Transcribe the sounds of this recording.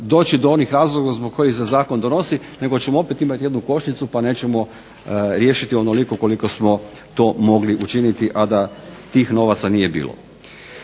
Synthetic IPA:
d̪o̞ːt͡ʃid̪oo̞nixɾaːzlˠoɡazbok̚ːo̞jixsezaːko̞nd̪ono̞si | ne̞ɡot͡ɕemoo̞pet̪imat̪ije̞d̪nuko̞ʃɲit̪supane̞ːt͡ɕemo̞ | ɾje̞ːʃit̪io̞nolikoko̞liko̞smo̞ | t̪o̞ːmo̞ɡliʔut͡ʃinit̪iʔad̪at̪iːxno̞ʋat̪sanije̞bḭːlo̰

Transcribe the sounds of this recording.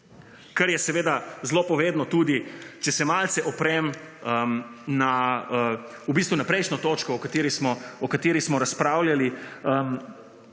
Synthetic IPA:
kaɾjɛsɛʋeːd̪azlopɔʋed̪nɔt̪uːd̪it͡ʃɛsɛmalt̪sɛʔɔpɾɛməmnaə | ubist̪ʋunapɾɛjʃnɔt̪ot͡ʃkɔːkat̪eːɾismɔɔkat̪eːɾismɔɾaspɾaːwljaliəm

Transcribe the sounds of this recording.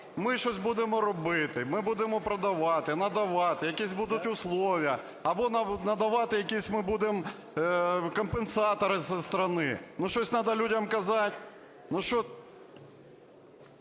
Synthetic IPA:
mɪʃt͡ʃɔsʲbud̪emɔɾɔbɪt̪ɪmɪbud̪emɔpɾɐd̪ɐʋɑt̪ɪnɐd̪ɐʋɑt̪ɪjɐkʲisʲbud̪ʊtʲʊslˠɔʋʲijɐ | ɐbɔnnɐd̪ɐʋɑt̪ɪjɐkʲisʲmɪbud̪em | kɔmpensɑt̪ɔɾɪsst̪ɾɐnɪnuʃt͡ʃɔsʲnɑd̪ɐlʲudʲɐmkɐzɑtʲ | nuʃt͡ʃɔ

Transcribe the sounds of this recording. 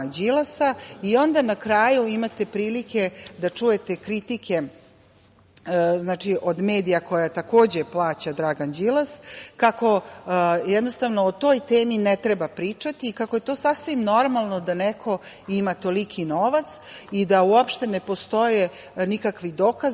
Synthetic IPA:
d͡ʑilasaio̞nd̪anakɾajuimat̪e̞pɾiːlike̞d̪at͡ʂuje̞t̪ekɾit̪ike̞ | znaːt͡ʂiʔod̪me̞ːd̪ijako̞jat̪ako̞ːd͡ʑeplˠaːt͡ɕad̪ɾaɡand͡ʑilˠaskako̞ | jɛd̪no̞st̪aʋnoot̪o̞ːjt̪eːminɛt̪ɾebapɾiːt͡ʂat̪iːkakoje̞t̪o̞ːsasʋimno̞ɾmalˠno̞d̪anɛkʰo̞ | imat̪o̞likʰinoʋat̪sid̪auopʃt̪e̞nepo̞st̪o̞je | nikakʋid̪o̞kaz

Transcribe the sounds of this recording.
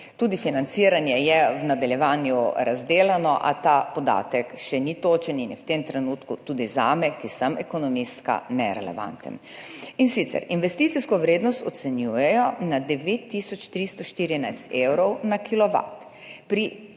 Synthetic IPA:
t̪uːd̪ifinant̪siɾanjɛjɛwnad̪aljɛʋaːnjuɾazd̪eːlanɔʔa̰t̪aːpɔd̪a̰ːt̪ɛkʃɛnit̪oːt͡ʃɛninjɛwt̪emt̪ɾɛnuːt̪kut̪uːd̪izaːmɛkisamɛkɔnɔmiska̰nɛɾɛ̰lɛ̰ʋa̰nt̪ə̰n | insit̪sɛ̰ɾinʋɛst̪it̪siskɔʋɾeːd̪nɔst̪ɔt̪sɛnjuːjɛjɔnad̪ɛʋet̪ːisɔt͡ʃt̪ɾist̪ɔʃt̪iːɾinajst̪ewɾɔwnakilɔʋa̰t̪ | pɾi

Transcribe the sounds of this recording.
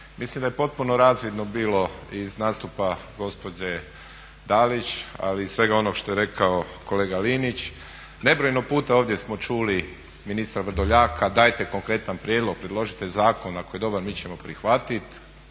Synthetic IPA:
mislimd̪aje̞po̞t̪̚punoɾaːzʋid̪no̞biːlo̞iznaːst̪upaɡo̞spo̞d͡ʑe | d̪alit͡ɕa̰liːssʋe̞ɡao̞noɡʃt̪o̞jeɾe̞kʰao̞ko̞leːɡaliːnit͡ɕ | ne̞bɾo̞jnopuːt̪ao̞ːʋd̪jesmo̞t͡ʃuːli | minist̪ɾaʋr̩d̪oʎaːkʰad̪aːjt̪e̞ko̞ŋkɾe̞t̪anpɾjed̪lo̞ɡ̚pɾed̪lˠo̞ʒit̪ezaːko̞nako̞jed̪o̞baɾmiːt͡ɕe̞mo̞pɾixʋat̪it̪

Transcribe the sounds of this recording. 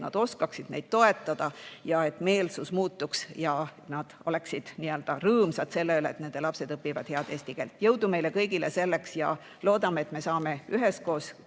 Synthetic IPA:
nɑ̰d̪̥o̞skɑksid̪ne̞jd̪̥̚t̪o̞e̞t̪ˑːɑd̪̥ɑjɑe̞t̪ˑme̞ːlsusmuːt̪ːuksjɑnɑd̪̥o̞̰le̞ksid̪̥niːø̞ld̪̥ɑrɤːmsɑd̪se̞lːeyleet̪ne̞nd̪̥e̞lɑpse̞d̪ɤpːivɑ̰d̪̥heɑd̪e̞ːst̪iɡ̥elt̪jɤwd̪ume̞jle̞kɤ̞jɡ̥ilese̞lːe̞ksjɑ | lo̞ːd̪̥ɑmeet̪me̞sɑːme̞yɦesko̞ːs

